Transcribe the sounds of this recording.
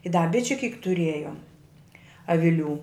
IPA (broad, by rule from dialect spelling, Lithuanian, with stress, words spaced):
ɪ dɐ ˈbʲɪt͡ʃʲʊ kʲiːk tʊˈrʲiɛjoːm ɐʋʲɪˈlʲuː